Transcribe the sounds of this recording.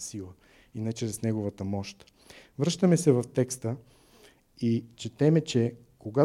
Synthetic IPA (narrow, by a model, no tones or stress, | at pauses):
silˠə | inɛt͡ʃɾɛsnɛɡovət̪əmɔʃt̪ | vɾɤʃt̪əmɛsɛvɐft̪ɛkst̪ə | it͡ʃɛt̪ɛmɛt͡ʃɛ | koɡa